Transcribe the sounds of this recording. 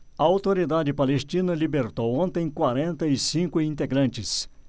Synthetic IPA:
ɐawt̪oɾid̪ad͡ʒɪpalest͡ʃĩnɐlibeɾt̪owõnt̪ẽj̃kwaɾẽnt̪ɐisĩŋkʊĩnt̪eɡɾɐ̃nt͡ʃɪs

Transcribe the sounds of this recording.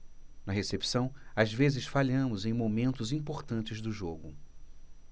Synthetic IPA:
nɐɦesepi̥sɐ̃w̃azvezɪsfaʎɐ̃mʊzẽj̃momẽnt̪ʊzĩpoɾt̪ɐ̃nt͡ʃɪzd̪ʊʒoɡʊ

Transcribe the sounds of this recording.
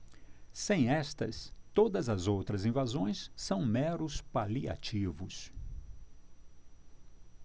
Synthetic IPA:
sẽj̃ɛst̪ɐ̰st̪od̪ɐzɐzowt̪ɾɐzĩvazõj̃sːɐ̃w̃mɛɾʊspalia̰t͡ʃivʊs

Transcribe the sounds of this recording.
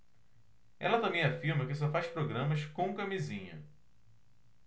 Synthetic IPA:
ɛ̰lɐt̪ɐ̃mbẽj̃afiɾmɐkɪs̬ɔfajʃpɾoɡɾɐ̃mɐskõw̃kɐmizĩɲɐ̰

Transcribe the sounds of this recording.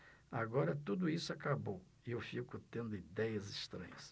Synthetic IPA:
aɡɔɾɐt̪ud̪ʊisʊakabow | iewfikʊt̪ẽnd̪ʊid̪ɛjɐzist̪ɾɐ̰̃ɲɐs

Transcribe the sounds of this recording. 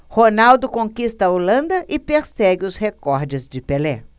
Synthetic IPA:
honawd̪ʊkõkist̪ɐolɐ̃nd̪ɐʔɪpeɾsɛɡɪʊshekɔɾd͡ʒɪzd͡ʒɪpelɛ̰̃

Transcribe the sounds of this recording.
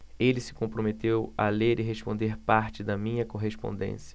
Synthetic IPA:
elɪsɪ̥kõpɾomet̪ewa̰leɾiɦespõnd̪eɾpaɾt͡ʃɪd̪ɐmĩɲɐkoɦespõ̰nd̪ḛ̃siɐ̥

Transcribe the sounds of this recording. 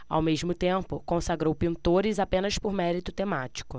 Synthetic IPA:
a̰wmeʒmʊt̪ẽmpʊkõsaɡɾowpĩnt̪oɾɪzapẽnɐspʊɾmɛɾit̪ʊt̪emat͡ʃi̥kʊ

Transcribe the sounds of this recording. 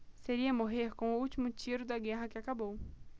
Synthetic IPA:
seɾiɐmoɦeɾkõʊuwt͡ʃimʊt͡ʃiɾʊd̪ɐɡɛɦɐkɪakabow

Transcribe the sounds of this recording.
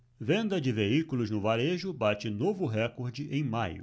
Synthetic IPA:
vẽnd̪ɐd͡ʒɪveikulʊznʊvaɾeʒʊbat͡ʃɪnovʊɦɛkoɾd͡ʒɪʔẽj̃majʊ̰

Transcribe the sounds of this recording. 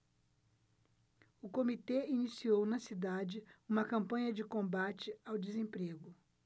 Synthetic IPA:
ʊkomit̪einisiownɐsid̪ad͡ʒɪũmɐkɐ̃mpɐ̃ɲɐd͡ʒɪkõbat͡ʃɪawd͡ʒezẽpɾeɡʊ

